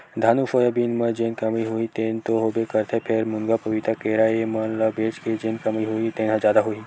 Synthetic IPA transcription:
d̪ʱaːnufojəbiːnməd͡ʒeːnkəmiɦuit̪eːnt̪oɦoːbekəɾt̪ʰepʰeɾmuŋɡapɐʋit̪akeɾaemɐnləbeːt͡ʃked͡ʒeːnkɐmiɦoit̪ẽːnɦãd͡ʒjaːd̪aɦoi

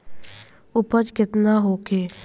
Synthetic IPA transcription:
ʊpət͡ʃkɪt̪naɦoːkʰeː

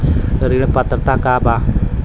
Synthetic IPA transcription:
daɾiləpat̪ərt̪akaba

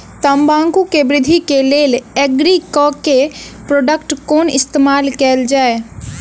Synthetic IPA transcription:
t̪əmbãːŋkukebɾɪd̪ʱikeleːleɡɾikɔkepɾoːɖəkʈkoːnɪst̪eːmaːlkɛːld͡ʒaːe

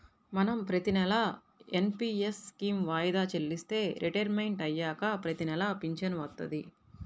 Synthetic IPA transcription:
mɐnɐmpɾɐt̪inɛlɐ | enpiːeskiːmʋaːjd̪aːt͡ʃelːist̪e̞ːɾʔiʈɐɾmɐjɳʈɐjːaːkɐpɾɐt̪inɛlɐpiɲt͡ʃɐnʋɐt̪ːɐ̰d̪i

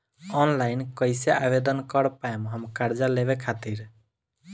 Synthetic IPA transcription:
ɔnlaɪnkəɪseabed̪ənkəɾpaemɦəmkaɾd͡ʒaleβekʰat̪iɾ

